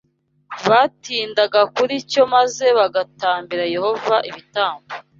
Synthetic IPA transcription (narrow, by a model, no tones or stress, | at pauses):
βaːtiːndaɡakuɾico̞maze̞βaɡataːmbiɾaje̞ho̞vaʔiβitaːmbo